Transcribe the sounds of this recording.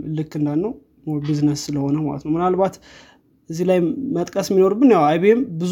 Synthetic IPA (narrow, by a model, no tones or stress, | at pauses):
lɨkːɨnd̪alːəw | bɨzɨnəsɨləho̞nəwma̰lət̪nəwmɨnalbat̪ | ʔɨzːilajmət̪ʼkʼəsmːino̞ɾubːɨnjawajβembɨz